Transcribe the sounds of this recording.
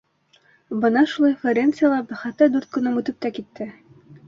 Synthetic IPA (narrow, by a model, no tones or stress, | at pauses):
bɤnɑʃulˠɑjfeɾʲent̪sɨjalˠɑbæχæt̪ːæd̪ʉɾt̪̚kɵ̆nɤmʉt̪ɘp̚t̪ækit̪ːɘ